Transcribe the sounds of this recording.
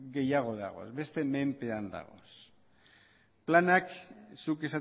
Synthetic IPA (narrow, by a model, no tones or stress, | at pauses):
ɡe̞jaɣ̞o̞ða̰ɣo̞̰sbe̞st̪e̞me̞mpe̞and̪a̰ɣ̞o̞̰s | planaksuke̞sa